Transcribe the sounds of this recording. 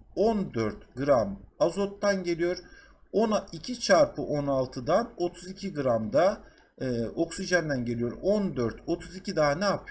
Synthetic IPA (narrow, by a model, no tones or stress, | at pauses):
ond̪øɾt̪ɡɯɾamazo̞t̪ːanɟe̞lʲijo̞ɾ | onaicʰit͡ʃʰaɾpʰɯʔo̞nalˠt̪ʰɯd̪ano̞t̪ʰuzicʰiɡɯɾamd̪aː | o̞ksiʒand̪ænɟe̞lijo̞ɾo̞nd̪øɾt̪ʰo̞t̪ʰuzicʰid̪aːnapʰ